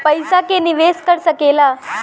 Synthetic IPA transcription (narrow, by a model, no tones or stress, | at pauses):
pəjsakeniʋeskəɾsəkela